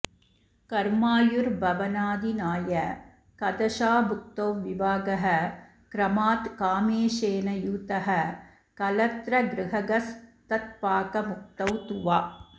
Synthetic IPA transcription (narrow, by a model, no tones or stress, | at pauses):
kɐɾmaːjuɾbʱɐʋɐnaːd̪inaːjɐ | kɐd̪ɐʃaːbʱuk̚t̪owʋibʱaːɡɐɦɐ | kɾɐmaːt̪kaːmeːʃeːnɐjuːt̪ɐɦɐ | kɐlɐt̪ɾɐɡɾɪɦɐɡɐst̪ɐt̪̚paːkɐmuk̚t̪ɐwt̪uʋaː